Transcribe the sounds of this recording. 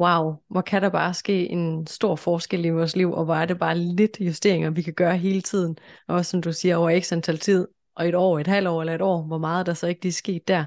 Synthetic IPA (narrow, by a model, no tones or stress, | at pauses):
wɑ̈ʊʋɒkʰæɾɑ̈b̥ɑ̈ːsɡ̥e̝̰ːʔe̝nsd̥o̝ɐ̰fɒːsɡ̥el̰iʋɒːsliʊ̰ʔɒ̽ʋɒæɐde̝b̥ɑ̈ːle̝d̥jusd̥e̝ɐ̰eŋɐʋikʰæɡ̥ɶːɐɦe̝ːlət͡sʰið̞̰ˠn̩ʔɒ̽ssɒ̽md̥usiːɐɒʊɐeɡ̥sænt͡sʰæl̰t͡sʰið̞̰ˠ | ʔɒ̽e̝ɾ̥ɒ̰ːe̝d̥hæl̰ɒ̰ːelɐe̝ɾ̥ɒ̰ːʋɒ̽mɑ̈ːð̞̩ˠd̥ɑ̈sɒ̽e̝ɡ̥ə̥l̥isɡ̥e̝̰ːd̥ːæɐ